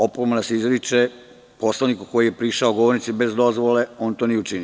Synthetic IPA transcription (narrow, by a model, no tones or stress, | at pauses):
o̞pomanasizɾit͡ʃe | po̞slanikuko̞jijepɾiːʃaoɡoʋo̞ɾnit̪sibe̞zd̪o̞zʋole̞o̞ːnt̪oniut͡ʃini